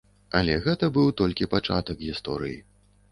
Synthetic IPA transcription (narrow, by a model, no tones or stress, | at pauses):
ɐlʲɛɣɛt̪ɐbɨwt̪ɔlʲkʲipat͡ʂa̰t̪ɐkɣʲist̪ɔ̰ɾɨji